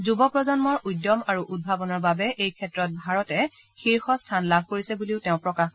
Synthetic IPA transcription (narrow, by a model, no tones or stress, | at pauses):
zubɔpɹɔzɔnmɔɹujdɔmaɹuʔud̚bʱabɔnɔɹbabɛʔejkʰɛtɹɔt̚bʱaɹɔtɛ | xiɹxɔstʰanlab̚ʱkoɹisɛbuliʊtɛʊ̃pɹɔkax